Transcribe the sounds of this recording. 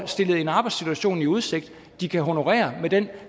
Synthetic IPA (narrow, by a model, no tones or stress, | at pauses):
lsd̥e̝ləð̞̩ˠe̝nɑ̈ːb̥ɑ̈ɪd̥sit͡sʰuæɕo̝̰ːniuð̞ˠse̝ɡ̥̚d̥ | d̥ikʰæɦo̝no̝ʁɛ̰ːɐmed̥en̰